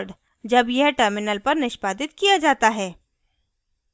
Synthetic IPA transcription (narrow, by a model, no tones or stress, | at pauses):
ɖ | d͡ʒɐbjɛɦʈəɾmɪnəlpɐɾnɪʃpaːd̪ɪt̪kijad͡ʒaːt̪aɦɛː